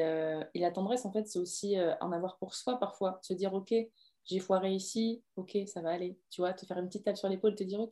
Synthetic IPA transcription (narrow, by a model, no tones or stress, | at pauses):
øelat̪ɑ̃d̪ʁɛsɑ̃fɛt̪sɛosiøʔɑ̰̃navwaʁpuʁswapaʁfwasəd̪iʁokʲe | ʒefwaʁeisiokʲʰesavaːlet̪yvwat̪əfɛʁynpət̪it̪ːapsyʁlepolet̪əd̪iʁokʲ